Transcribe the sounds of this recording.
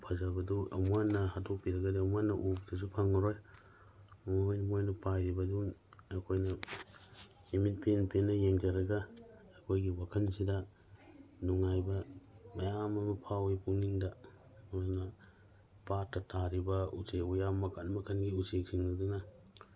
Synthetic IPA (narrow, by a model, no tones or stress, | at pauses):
pʰazabɐduɐmuanːɐhatʰopiɾɐɡɐdiɐmuanːɐʔup̚dɐs̬upʰaŋɐɾoj | mjnɐmojnɐpajɾibɐduŋɐkʰojnɐ | imit̚pʰenpenːɐjeŋd͡ʒaɾɐɡaː | kʰojɡiwakʰɐnsidɐ | nuŋajbɐmɐjamɐmɐpʰawipuŋniŋda | ɾnɐ | patːɐtʰaɾibɐuseujamɐkʰanmɐkʰanɡiusek̚siŋnɐduna